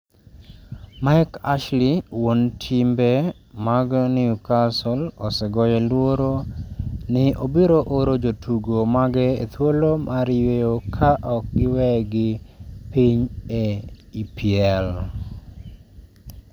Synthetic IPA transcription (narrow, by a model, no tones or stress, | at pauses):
maɪka̰ʃliwontʰimbɛ | maɡɔnɪukasɔlɔsɛɡɔjɛlwoɾo | nɪʔobiɾoʔoɾod͡ʒotʰuɡomaɡɛḛt̪wolomʔaɾjeokʰaʔɔk̚ɡɪwɛɡɪpiɲeipɪɛl